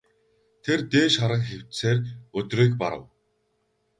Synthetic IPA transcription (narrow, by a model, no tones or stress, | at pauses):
t̪ʰert̪eːʃχaɾə̆ŋxew̥t̪seːrɵt̪riːkpa̰ɾə̰̆w